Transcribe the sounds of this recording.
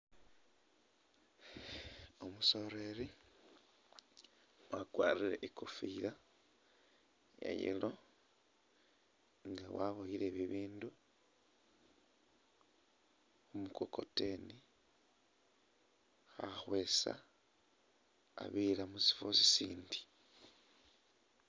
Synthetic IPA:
o̞muso̞ɾeɾi | wakwaːriɾḛʔikofiɾa | jḛjḛlo̞ | ŋɡawaβojiɾe̞βiβiːndu | umuko̞ko̞te̞ni | xaxwe̞ːsa̰ | a̰βilamusi̥fosi̥siːndi̥

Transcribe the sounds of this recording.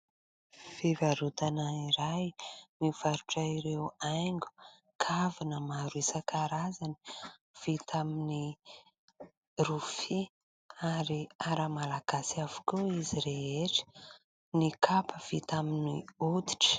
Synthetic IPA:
fivaɾut̪anaiɾajmiv̥aɾuʈ͡ʂaiɾewajŋɡu̥ | kʰavinəmaɾuesakʰaɾazani̥ | v̥it̪amini | rufi | aɾiaɾəmalaɡ̥asiavukuiziɾeeʈ͡ʂə̥ | nikʰapʰəv̥it̪aminiud̪i̥ʈ͡ʂə̥

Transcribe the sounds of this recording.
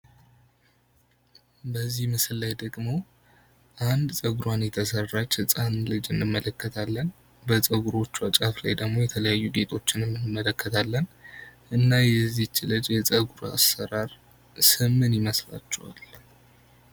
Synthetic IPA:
bəzːihmɨsɨlːajd̪əɡmo̞ | ʔand̪sʼəɡuɾwanjɛt̪ʰəsərːat͡ʃːɨt͡sʼanlɨd͡ʒɨnːɨmːələkːət̪ʰalːən | bət͡sʼəɡuɾo̞t͡ʃːuwat͡ʃʼafla̰jd̪əɡmo̞jɛt̪ʰələjajːuɡe̞t̪ʰo̞t͡ʃːɪnɨmːɨnɨmːələkːət̪ʰalːənʔɨnːajɛzːit͡ʃːlɨd͡ʒjɛt͡sʼəɡuɾa̰sːəɾaɾ | sɨmːɨnjɪməsla̰t͡ʃːɛ̰wa̰l

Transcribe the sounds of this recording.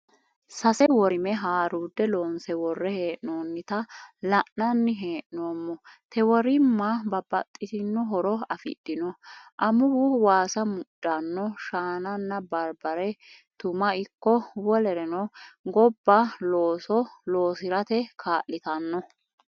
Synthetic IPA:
sɐsɛwɔɾɪmɛɦaːɾuːd̪ːɛloːnsɛwɔrːɛhe̞ːʔnoːnːɪt̪ɐlɐʔnɐnːɪɦeːʔnoːmːɔt̪ʰɛwɔɾɪmːɐbɐbɐt̪ʼːɪsɪnːɔɦɔɾɔɐfɪ̰d̪ːɪnɔʔɐmʊbʊwaːsɐmʊɗːɐnːɔʃaːnɐnːɐbɐɾbɐɾɛ | t̪ʊmɐɪkːɔwɔlɛɾɛnɔɡɔbːɐloːsɔloːsɪɾɐt̪ɛkʰaːʔːɪt̪ɐnːɔ

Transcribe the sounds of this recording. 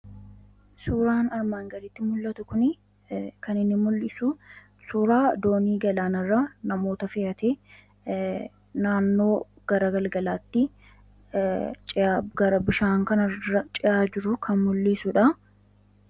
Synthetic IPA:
suːɾaːnɐɾmaːŋɡɐlɪt̪ːɪmʊlːɐt̪ʊkʊnɪ | kɐnɪnːɪmʊlːɪsʊ | suːɾaːd̪o̞ːniːɡɐlaːnɐrːɐnɐmo̞ːt̪ɐfɪjɐt̪eː | naːnːo̞ː | ɡ̥ɐɾɐɡɐlɡɐlaːt̪ːɪ | t͡ʃʼɪaɡɐɾɐbɪʃaːŋkɐnɐɐt͡ʃʼɪʔaːd͡ʒɪɾʊkʰɐnmʊlːiːsʊᶑɐ

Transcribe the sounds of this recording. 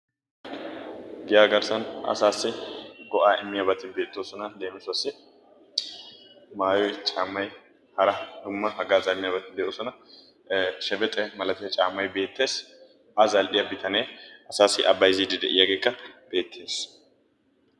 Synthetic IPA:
ɡɪjaːɡɐɾsɐnɐ̰saːsːɪɡɔʔaːʔɪmːɪjɐbɐt̪ːɪbe̞ːt̪ːo̞ːsɔnɐleːmsʊɐsːɪ | maːjɔjt͡ʃʼaːmːɐj | hɐɾɐd̪̥ʊmːɐhɐɡaːzɐmːɪjabɐt̪ːɪd̪ɛʔoːsɔnɐ | ʃɛbɛt̪ʼɛmɐlɐt̪ɪjɐt͡ʃʼaːmːɐjbe̞ːt̪ːe̞ːs | ʔɐzɐlʔɪjɐbɪt̪ɐneːɐsaːsːɪʔɐbːɐjɪzid̪ɪd̪ɛʔɪjɐɡeːkːɐb̥e̞ːt̪ːe̞ːs

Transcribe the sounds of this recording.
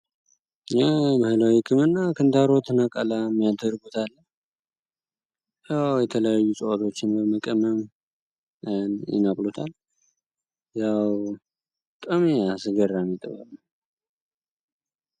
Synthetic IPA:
jaməhɨlawikʼɨmɨnːakʰɨnt̪aɾo̞t̪ʰɨnakʼalamːijad̪əɾɡut̪ʰalːə | jawjɛt̪ʰələjajːusʼəwat̪ʰo̞t͡ʃːɪnbəməkʼəməm | njɪ̰nakʼlot̪ʰal | jaw | kʼəmeasɨd͡ʒəɾːamit̪ʼɨ̰βa̰lə

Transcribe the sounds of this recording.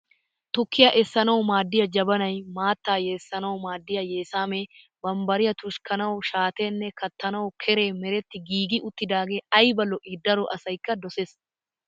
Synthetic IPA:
t̪ʊkːɪjɐʔɛsːɐnɐwmaːd̪ːɪjɐd͡ʒɐbɐnɐjmaːt̪ːaːje̞ːsːɐnɐwmaːd̪ːɪjɐje̞ːsaːme | bɐmbɐɾɪjɐt̪ʊʃkʰɐnɐwʃaːt̪eːnːɛkɐt̪ːɐnɐwkʰɛɾe̞ːmɛɾɛt̪ːɪɡiːɡɪʔʊt̪ːɪd̪aːɡe̞ːɐjbɐlːɔʔɪd̪ːɐɾɔʔɐsɐjkːɐd̪ɔses

